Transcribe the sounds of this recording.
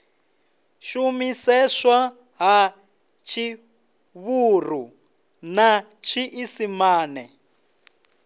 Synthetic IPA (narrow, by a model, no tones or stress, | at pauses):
ʃumisɛʂa | ɦa | t͡ʃʰi | βuru | na | t͡ʃʰiʔisimaːnɛ